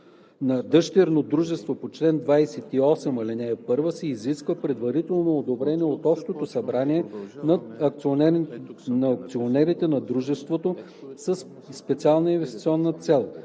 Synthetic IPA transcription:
nɐd̪ɤʃt̪ɛɾnod̪ɾuʒɛst̪vopot͡ʃlɛnd̪vajsɛt̪iɔsɛmɐlinɛɛpɤɾvəsɛiziskvəpɾɛd̪vɐɾit̪ɛlˠnoːd̪obɾɛniɛot̪ɔpʃt̪ot̪osɐbɾaniɛnɐ | nɐk̚t̪sionɛɾit̪ɛnɐd̪ɾuʒɛst̪vot̪o | səs | spɛt̪sialˠnɐinvɛst̪i̥t̪siɔnːət̪sɛlˠ

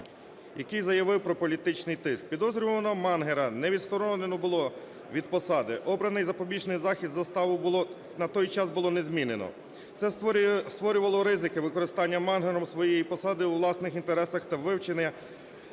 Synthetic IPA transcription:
jɐkɪjzɐjɐʋɪwpɾɔpɔlʲit̪ɪt͡ʃnɪjt̪ɪsk̚pʲid̪ɔzɾʲʊʋɐnɔmɑnɦeɾɐnɛʋʲid̪st̪ɔɾɔnenɔbʊlˠɔ | ʋʲid̪̚pɔsɑd̪ɪʔɔbɾɐnɪjzɐpɔbʲiʒnɪjzɑxʲist̪zɐst̪ɑʋʊbˠ | nɐt̪ɔjt͡ʃɑzbʊlˠɔnezmʲinenɔ̰ | t̪sɛst̪ʋɔɾʲʊʋɐlˠɔɾɪzɪkɪʋɪkɔɾɪst̪ɑnʲːɐmɑnɦeɾɔmsʋɔjɛjipɔsɑd̪ɪuʋlˠɑsnɪxint̪eɾɛsɐxt̪ɐʋɪwt͡ʃenɪ

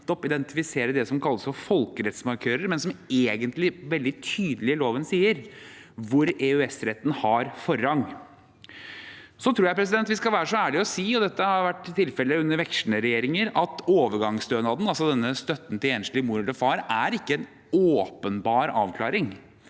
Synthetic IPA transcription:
t̪ɔpɪd̪ɛnt̪ɪfɪseːɾəd̪ɛsɔmkʰɑlːəsfɔɾfɔlkəɾɛt̪smɑɾkʰøːɾəɾmɛnsɔmeːɡənt̪lɪʋɛld̪ɪt̪ʰyːd̪əlɪloːʋənsiːəɾʋʊɾɛʉɛsɾɛt̪ːn̩hɑɾfɔɾːɑŋː | sɔt̪ʰɾuːjæɪpʰɾɛs̬ɪd̪ɛnt̪ʋɪskɑlʋæːɾəʂɔæːɭɪɔsiːɔd̪ɛt̪ːəhɑɾʋæʈːt̪ʰɪlfɛlːəʉnːəɾʋɛkʂɳəɾɛjeːɾɪŋəɾɑt̪oːʋəɾɡɑŋsd̪øːnɑːd̪n̩ɑlsɔd̪ɛnːəst̪œt̪ːn̩t̪ɪleːnʂɭɪmuːɾləfɑːɾæɾɪkːəɛn | oːpənbɑːɾɑ̰ːʋkʰlɑːɾɪŋ

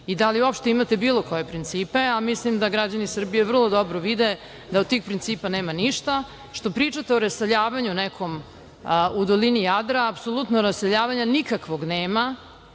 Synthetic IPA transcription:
id̪aliuopʃt̪eimat̪e̞biːlˠo̞ko̞je̞pɾint̪siːpeamislimd̪aɡɾad͡ʑanisr̩bijevr̩lˠo̞d̪obɾoʋid̪e | d̪aod̪̚t̪iːxpɾint̪siːpaneːmaniʃt̪a | ʃt̪o̞pɾiːt͡ʂat̪eoɾaseʎaːʋaɲunɛkʰo̞m | ud̪olinijad̪ɾaːpsolˠut̪noɾasseʎaːʋaɲanikakʋo̞ɡneːma

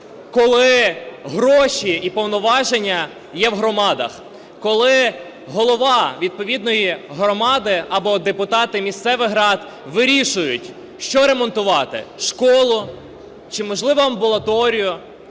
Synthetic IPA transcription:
kɔlˠɪɦɾɔʃʲiipɔwnɔʋɑʒenʲːɐ | jɛwɦɾɔmɑd̪ɐx | kɔlˠɪ | ɦɔlˠɔʋɑʋʲid̪̚pɔʋʲid̪nɔjiɦɾɔmɑd̪ɪɐbɔd̪epʊt̪ɑt̪ɪmʲist̪sɛʋɪɦɾɑd̪ | ʋɪɾʲiʃʊjʊtʲ | ʃt͡ʃɔɾemɔnt̪ʊʋɑt̪ɪ̰ʃkɔlˠʊ | t͡ʃɪmɔʒlˠɪʋɐɐmbɔlˠɐt̪ɔɾʲijʊ

